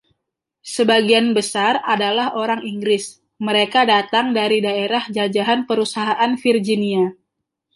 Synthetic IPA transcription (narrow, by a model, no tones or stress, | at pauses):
səbaɡianbəsaradalahoɾaŋiŋɡɾɪs | məɾekadat̪aŋdaɾidaeɾahd͡ʒad͡ʒaɦanpəɾusaɦaʔanfird͡ʒinia